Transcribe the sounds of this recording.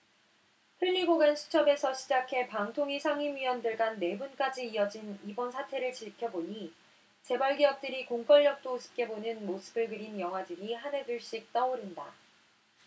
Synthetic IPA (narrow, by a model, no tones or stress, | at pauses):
ɸɯʎːiɡoɡensʰu̥t͡ɕʰʌbe̞sʰʌɕʰid͡ʑakʰe̞paŋtʰoŋisʰaŋimɥiʌndɯɭɡanːe̞bunk͈ad͡ʑiiʌd͡ʑinibʌnsʰatʰe̞ɾɯɭt͡ɕiɭkʰjʌboni | t͡ɕe̞baɭɡijʌk̚t͈ɯɾikoŋk͈ʌɭːʌk̚t͈ousʰɯ̥p̚k͈e̞bonɯnmosʰɯ̥bɯɭɡɯɾinjʌŋɦwadɯɾihane̞dɯɭɕ͈ik̚t͈ʌoɾinda